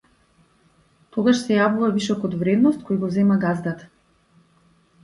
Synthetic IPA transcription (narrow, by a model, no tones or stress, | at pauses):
t̪ɔɡaʃsɛjavuvavisɔkɔt̪vɾɛd̪nɔst̪̚kojɡɔzɛmaɡazd̪at̪